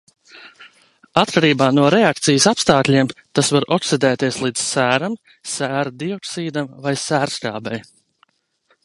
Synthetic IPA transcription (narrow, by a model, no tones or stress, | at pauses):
at̪kʰaɾiːbaːnuɔɾɛak̚t̪sijəsapst̪aːklʲiɛmt̪asvaɾɔksid̪ɛːt̪iɛslˠiːd̪z̥sæːɾam | sæːɾd̪iɔksiːd̪amvajsæːɾska̰ːbɛj